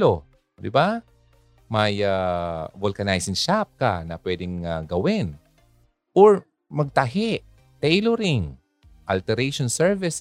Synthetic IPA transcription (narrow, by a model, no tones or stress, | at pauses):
o | d̪ɪba | mɐjavolkɐnajsɪŋʃap̚ka̰nɐpwɛːd̪ɪŋaɡɐwɪn | ʔoɹ | mɐɡ̚t̪ɐɦɛʔ | t̪ɛjloɾɪŋ | ʔɐlt̪ɛɾɛjʃonsɛɹvɪs